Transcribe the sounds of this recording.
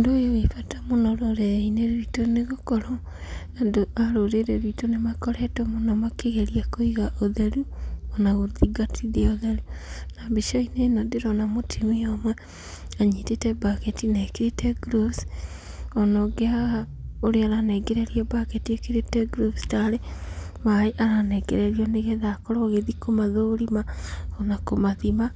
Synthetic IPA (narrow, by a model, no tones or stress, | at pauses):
ndojowefatamonɔɾoɾeineɾitoneɣokɔɾɔ | adoaɾoɾeɾeɾwitonemakɔɾɛtomonɔmakeɣeɾiakoiɣaʔoðeɾuonaɣoðiɡatʰiðiaoðeɾunaβiʃoinenodeɾonamotʰimijɔmwa | aɲitetɛbaketinɛkeɾetɛɡɾos | ɔnoɡeaɣa | oɾeaɾanɛɡɛɾɛɾiɔbaketiekeɾetɛɡɾofstaɾemaeʔaɾanɛɡɛɾɛɾiɔneɣɛðakɔɾɔɣeðikomaðoɾimaɔnakomaðima